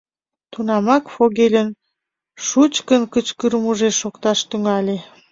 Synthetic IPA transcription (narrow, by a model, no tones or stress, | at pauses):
t̪unɑmɑkfoɣelʲən | ʃut͡ɕkənkət͡ɕkəɾmuʒeʃokt̪ɑʃt̪yŋɑlʲe